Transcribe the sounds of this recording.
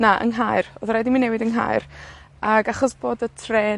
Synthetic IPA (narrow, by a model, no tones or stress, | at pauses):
naʔə̰ŋɦajrɔðɾɛdiminːɛwɪdəŋɦa̰jr | aɡaχɔsb̥oːdətʰreː